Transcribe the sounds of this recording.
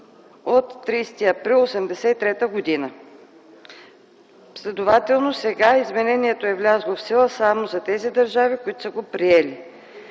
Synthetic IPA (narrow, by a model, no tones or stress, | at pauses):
ot̪ːɾist̪iɐpɾilˠosɛmd̪ɛsɛit̪ɾɛt̪əɡod̪inə | slʲɛd̪ovat̪ɛlˠnosɛɡaizmɛnɛniɛt̪oɛvlʲazlˠofsilˠəsamozɐt̪ɛzid̪ɐɾʒavikoit̪o̥səɡopɾiɛli